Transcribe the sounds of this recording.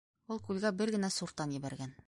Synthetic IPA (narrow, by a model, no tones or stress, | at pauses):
ulˠkʉlɡæbɘɾɡɘ̆næsuɾt̪ːɑnjɘ̆βæɾɡæn